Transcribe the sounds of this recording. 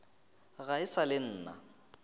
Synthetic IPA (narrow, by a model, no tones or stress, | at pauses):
ɣaɪsalɪn̩ːna̰